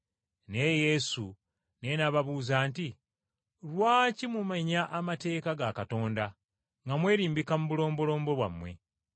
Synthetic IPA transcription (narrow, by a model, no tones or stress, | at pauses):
ne̞je̞su | ne̞naβaβuːzaːnti | ɾwaːcimumaɲaʔamate̞ːkaɡakato̞ːnda | ŋɡamwe̞ːɾiːmbikamuβulo̞ːmbolo̞ːmbo̞βwa̰mːwe̞̰